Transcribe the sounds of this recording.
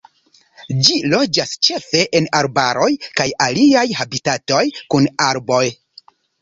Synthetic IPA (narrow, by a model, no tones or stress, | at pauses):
d͡ʒilo̞d͡ʒast͡ʃe̞fe̞ʔenaɾbaɾo̞jkajaliajhabitato̞jkunaɾbo̞j